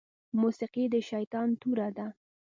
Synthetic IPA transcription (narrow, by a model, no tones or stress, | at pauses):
musiqid̪əʃajt̪ɑnt̪uɾad̪a